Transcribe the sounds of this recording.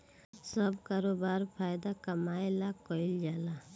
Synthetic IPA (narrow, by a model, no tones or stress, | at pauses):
sʌbkaɾobaɾpʰajd̪akəmajlakɔild͡ʒala